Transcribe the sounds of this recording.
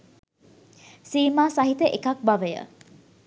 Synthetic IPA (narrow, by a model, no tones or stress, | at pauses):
siːmaːsaɦit̪əʔekak̚baʋəjə̰